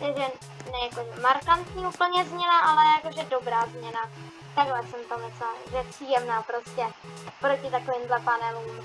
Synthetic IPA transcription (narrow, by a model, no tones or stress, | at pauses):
t̪ɛʒɛ | nɛjako̞ʒɛmaɾkant̪ɲiːuːpl̩ɲɛzmɲɛnaʔalɛjako̞ʒɛdo̞bɾaːzmɲɛna | t̪aɡlɛsɛmt̪omɛslaʒɛjɛpr̥iːjɛmnaːpɾo̞scɛ | pɾo̞cɪt̪ako̞vɪːmdlɛpanɛlum